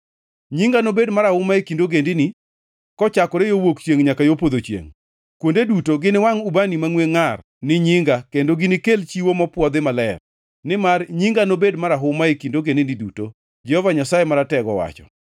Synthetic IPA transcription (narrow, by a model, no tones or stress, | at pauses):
ɲiŋɡanobedmaɾahʊmaekindoɡendɪni | kɔt͡ʃakɔɾejowokt͡ʃeŋɲakajopod̪ot͡ʃjḛŋ | kwondedutoɡɪnɪwaŋubanimaŋweŋar | nɪɲɪŋɡakendoɡɪnɪkelt͡ʃiwomɔpwɔd̪ɪmalɛr | nɪmarɲiŋɡanobedmaɾaɦʊmaekindoɡendɪniduto | d͡ʒɛhɔvaɲasajemaɾatɛɡɔ̰wa̰t͡ʃɔ̰